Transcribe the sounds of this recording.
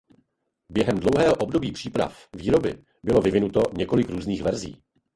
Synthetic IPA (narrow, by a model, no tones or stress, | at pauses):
bjɛɦɛmdlowɦɛːɦoʔo̞bdo̞biːpr̝̥iːpɾa̰fviːɾo̞bɪ | bɪlo̞vɪvɪnut̪o̞ɲɛko̞lɪkɾuːzniːxvɛɾzḭː